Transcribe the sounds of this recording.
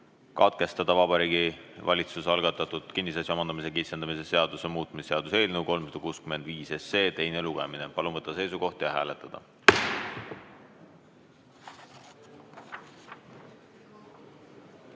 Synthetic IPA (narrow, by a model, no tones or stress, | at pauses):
kɑt̪̚ke̞st̪ɑd̪̥ɑvɑbɑɾiːɡ̥ivʔɑ̰lʲit̪susɑlɡ̥ɑt̪ːˑɑt̪ud̪̥kinːisɑsʲjomɑnd̪ɑmise̞kisːend̪ɑmise̞se̞ɑd̪̥usemuːt̪ːˑmisːe̞ɑd̪̥use̞ːlnewko̞lmsɑd̪̥ɑkuːskymend̪viːse̞se̞ːt̪e̞jneluɡ̥emine̞pɑlunvɤt̪ːˑɑse̞jsuko̞ht̪jɑɦæːlet̪ːˑɑd̪̥ɑ̰